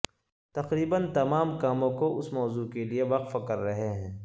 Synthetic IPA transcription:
t̪ɐqɾiːbənt̪ɐmaːmkaːmõkoʔʊsmɔːzuːkelieʋɐqfkɐɾːɐɦeɦɛ̃ː

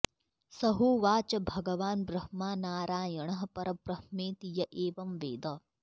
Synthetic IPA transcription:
sɐɦuʋaːt͡ʃɐbʱɐɡɐʋaːnbɾɐhmaːnaːɾaːjɐɳɐɦɐpɐɾɐpɾɐhmeːt̪ijɐʔeːʋɐmʋḛːd̪ɐ

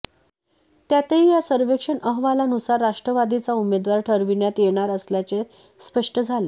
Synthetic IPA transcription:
t̪jat̪eɦijasəɾʋekʂəɳəɦʋalanusaɾːaʂʈɾəʋad̪it͡saumed̪ʋaɾʈʰəɾʋiɳjat̪jeɽ̃aɾəsljat͡se | spəʂʈʰəd͡zʱale

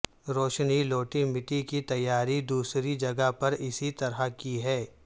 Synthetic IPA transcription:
ɾoːʃniloːʈimɪʈikit̪ɐjːaːɾid̪uːsɾid͡ʒɐɡapɐɾɪsit̪ɐɾakiɦɛː

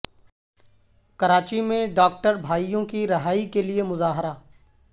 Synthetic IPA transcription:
kɐɾaːt͡ʃimẽɖaːk̚ʈəɾbʱaːijõkiɾɐɦaːikeliemʊzaːɦɪɾaː

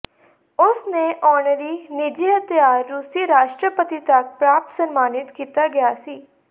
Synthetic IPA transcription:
ʊsneːʔɔːɳɾiːnɪd͡ʒiːɦət̪jaːɾːuːsiːɾaːʃʈɾəpət̪it̪ɐk̚pɾaːp̚t̪sənmaːnɪt̪kiːt̪aːɡɪjaːsiː

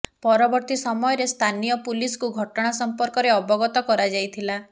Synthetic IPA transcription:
pɔɾɔbɔɾt̪isɔmɔjɔɾest̪ʰanijɔpuliskuɡʱɔʈɔɽ̃asɔmpɔɾkɔɾeɔbɔɡɔt̪ɔkɔɾad͡ʒajt̪ʰila

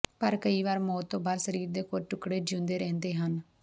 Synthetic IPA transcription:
pəɾkəiːʋaːɾmɔːt̪ːõːbaːɾsəɾiːɾd̪eːkoːɾʈʊkɽeːd͡ʒʊ̃nd̪eːɾɛ̃ːnd̪eːɦən

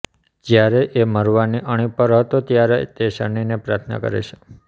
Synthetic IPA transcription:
d͡ʒjaɾeʔeməɾʋaniʔəɽ̃ipəɾɦət̪ot̪jaɾet̪eʃəɳinepɾaɾt̪ʰna̰kə̰ɾḛt͡ʃʰe

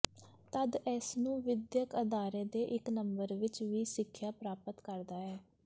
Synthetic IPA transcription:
t̪əd̪ɛːsnũːʋɪd̪jəkəd̪aːɾeːd̪eːʔɪknəmbəɾʋɪt͡ʃʋiːsɪkʰːjaːpɾaːpət̪kəɾd̪aːɛː

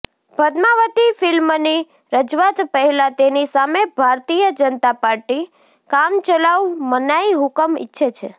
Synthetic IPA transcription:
bʱəd̪maʋət̪ifɪlmni | ɾəd͡ʒʋat̪pəɦɛlãt̪enisamebʱaɾt̪ijəd͡ʒənət̪apaɾʈi | kamt͡ʃəlawmənaiɦʊkəmɪ̰tːʃʰət͡ʃʰḛ

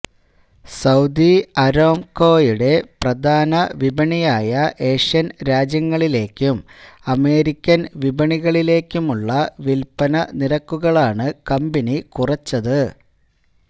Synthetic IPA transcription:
sɐwd̪iɐɾo̞ːmko̞ːjuɽe̞prɐd̪ʱaːnɐʋibɐɳijaːjɐʔe̞ːʂɐnɾaːd͡ʑjɐŋːɐɭile̞ːkʲːumɐme̞ːɾikʲːɐnʋibɐɳiɣɐɭile̞ːkʲːumuɭːɐʋilpɐnɐniɾɐkːuɣɐɭaːɳɨkɐmbinikurɐt͡ɕːɐðɨ

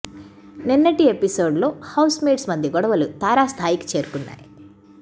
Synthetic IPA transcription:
ninːɐʈiepiso̞ːɖlo̞ːhɐwsmeːɖsmɐnd̪ʱjɐɡɔɽɐʋɐlut̪aːɾaːst̪ʰaːjiki̥t͡ʃe̞ːɾukunːa̰ːji

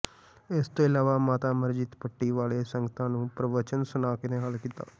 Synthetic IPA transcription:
ɪst̪oːɪlaːʋaːmaːt̪aːməɾd͡ʒit̪pəʈːiːʋaːleːsəŋɡət̪ãːnũːpɾəʋət͡ʃənsʊnaːkɪneːɦəlkiːt̪a̰ː

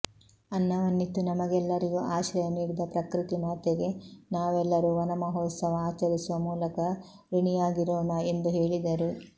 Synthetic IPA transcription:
ɐnːɐʋɐnːit̪ːunɐmɐɡɛlːɐɾiɡuʔaːʃɾɐjɐmiːɾid̪ɐpɾɐkɾit̪imaːt̪eɡe̞naːʋɛlːɐɾuʋɐnɐmɐɦɔːt̪sɐʋɐaːt͡ʃɐɾisuʋɐmuːlɐkɐ | ɾuɳijaːɡiɾoːnɐe̞nd̪uɦeːɭid̪ɐɾu

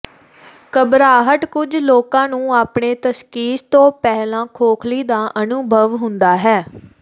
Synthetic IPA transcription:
kəbɾaːɦəʈkʊd͡ʒloːkãːnũːaːpɳeːt̪əʃkiːst̪õːpɛːlãːkʰoːkʰliːd̪aːʔənʊbʱəʋɦʊnd̪aːɦɛː

